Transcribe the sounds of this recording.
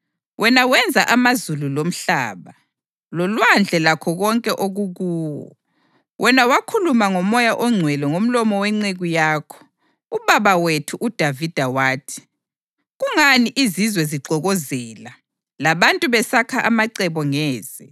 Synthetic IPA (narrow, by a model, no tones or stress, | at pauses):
wʔɛnawɛnd͡zʱaʔamazululom̩ɬa̰ːβa | lɔlwand͡ɮʱɛlakʰɔɣɔŋkʼɛʔoɣuɣuːwɔ̰ | wʔɛnawakʰulumaŋɔmɔjaʔɔŋ͡ǀʱwɛlɔŋom̩lɔmɔwɛŋ͡ǀeɣujaːkʰɔ̥ | uβaβawetʰuʔud̥ʱavid̥ʱawaːtʰi̥ | ɣuŋaniʔizizwɛziǃɔɣɔzɛːla | laβantʼuβɛsakʰaʔamaǀɛβɔŋɛːz̥ɛ